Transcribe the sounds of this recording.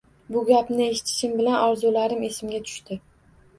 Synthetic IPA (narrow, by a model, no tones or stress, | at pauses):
bʊɡʲapnɪe̞ʃɪ̥t̪ʰɪ̥ʃɪmbɪlanɒɾzulaɾɪme̞sɪmɡʲat̪ʰʊ̥ʃt̪ɪ